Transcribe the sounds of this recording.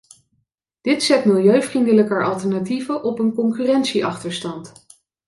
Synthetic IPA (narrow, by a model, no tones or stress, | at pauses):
d̥ɪtsɛtmɪlˠjøɥvrindələkəʔɑlˠtɛɹnativəʔɔpənkɔŋkyːrɛntsiʔɑχtəɹstɑnt